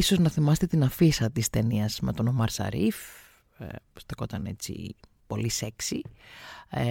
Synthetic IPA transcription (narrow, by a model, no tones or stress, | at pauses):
iso̞znɐθimɐset̪et̪inɐfisɐt̪ist̪e̞niɐzmḛt̪o̞nomɐɾsɐ̰ɾif | st̪eko̞t̪ɐne̞̰t͡sḭ | po̞liseksi